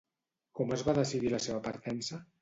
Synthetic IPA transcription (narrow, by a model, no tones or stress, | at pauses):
kɔməzβaðəsiðiləseβəpəɾt̪ɛnsə